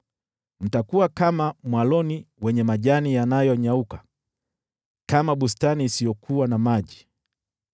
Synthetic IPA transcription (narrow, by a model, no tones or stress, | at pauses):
n̩takuwakamamwalɔniwɛɲɛmaʄanijanajɔɲaukḁ | kamaɓustaniːsijɔkʰuwanamaʄi